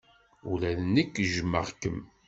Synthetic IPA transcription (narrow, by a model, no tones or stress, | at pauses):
ulæðnəkːʒmːə̰ʁkəm